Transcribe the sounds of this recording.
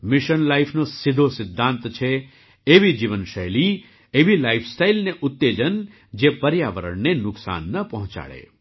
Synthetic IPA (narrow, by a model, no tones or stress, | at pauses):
mɪʃənlaifʰnosɪd̪ʱosɪd̪ʱːãnt̪t͡ʃʰe | eʋid͡ʒiʋənʃəjli | eʋilaifʰsʈailneʔʊt̪ːed͡ʒən | d͡ʒepəɾjaʋəɾə̰ɳnenʊksa̰nːəpəɦɔ̃t͡ʃa̰ɭḛ